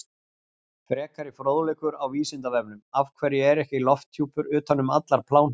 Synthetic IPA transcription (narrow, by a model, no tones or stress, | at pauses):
fɾɛːkaɾɪfɾoːðleːkʏɾawviːsɪnt̪avɛpnʏmavkʰvɛːɾjɪɛɾɛhcɪlɔft̪ʰːjuːpʏɾʏːt̪ʰanːʏmat̪laɾ̥pʰlaːwn